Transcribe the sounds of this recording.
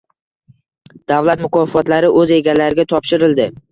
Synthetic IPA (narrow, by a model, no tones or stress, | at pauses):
d̪̥awlat̪mʊkʰɒfɒt̪laɾɪʔɵze̞ɡʲalaɾɪɡʲat̪ʰɒpʃɪɾɪld̪ɪ